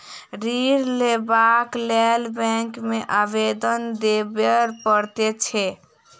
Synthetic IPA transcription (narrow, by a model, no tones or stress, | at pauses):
ɾiɾlebaklɛlbɛ̃ŋkmeʔabed̪ənd̪ebeɾpəɾt̪et͡ʃʰɛ